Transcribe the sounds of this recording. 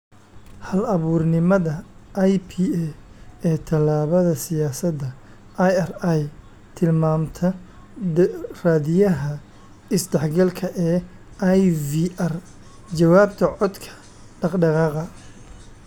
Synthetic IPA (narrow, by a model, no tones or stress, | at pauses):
hɐlɐβuːrnɪmɐðɐʔjpʰiːɛɛːt̪ʰɐlaːβɐðɐsɪjaːsɐd̪ɐ | ʔɐjɛraj | t̪ʰɪlmaːmt̪ʰɐ | raːdɪjɐɦɐ | ɪsd̪ɛħɡɐlkʰɐʔɛː | ʔajviːʔɐr | t͡ʃɐwaːbt̪ʰɐʕɔd̪kʰɐ̥ | ɖɑqɖɑʁɑːqɐ